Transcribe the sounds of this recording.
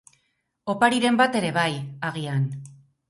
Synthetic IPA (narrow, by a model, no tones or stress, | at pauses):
o̞paɾiɾe̞mbat̪e̞ɾe̞βajaɣ̞ian